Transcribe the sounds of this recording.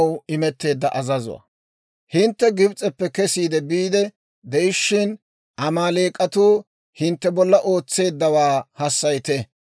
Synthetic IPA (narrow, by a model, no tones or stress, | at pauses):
wɪmɛt̪ːe̞ːd̪ːɐʔɐzɐzʊ̰wɐ̰ | hɪnt̪ːɛɡɪbt͡sʼɛpːɛkɛsiːd̪ɛbiːd̪ɛ | d̪ɛɪʃːɪn | ʔɐmaːle̞ːkʼːɐt̪uː | hɪnt̪ːɛbɔlːɐʔo̞ːt͡sːe̞ːd̪ːɐwaːhɐsːɐjt̪ɛ